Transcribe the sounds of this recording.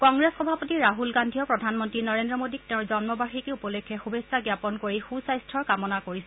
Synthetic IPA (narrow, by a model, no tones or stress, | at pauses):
kɔŋɹesxɔbʱapɔtiɹaɦulɡandʱijɔpɹɔdʱanmɔntɹinɔɹendɹɔmodik̚tɛ̃ʊ̃zɔnmɔbaxikeupɔlekʰːɛxubesaɡjapɔnkoɹixusajstʰɔɹkamɔnakoɹisɛ